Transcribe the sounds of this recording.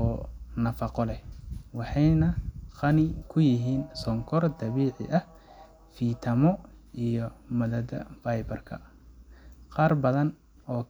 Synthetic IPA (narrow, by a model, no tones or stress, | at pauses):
ɔːnɐfɑqɔlɛwɑħɑjnɐqɑnɪkʰʊjɪɦiːnsɔŋkʰɔrd̪ɐβiːʕɪ̰ʔɐh | fiːt̪ʰɐmɔʔijɔmɐðɐd̪ɐ̰fɐjbɐrkʰɐ̰ | qɑːrbɐðɐn | ʔɔː